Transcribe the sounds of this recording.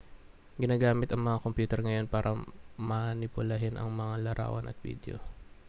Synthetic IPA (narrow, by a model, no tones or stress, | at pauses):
ɡɪnaːɡaːmɪt̪ɐŋmɐŋakompjuːt̪ɛɾŋɐjo̞npaːɾʔɐmanɪpʊlɐɦɪnʔɐ̰ŋmɐŋalɐɾa̰ːwɐnʔɐ̰t̪̚vḭːd̪̰o̰